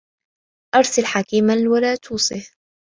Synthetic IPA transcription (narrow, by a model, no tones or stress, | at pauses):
ʔɑɾˤsɪlħakiːmalwalaːt̪ʰuːsˤɪh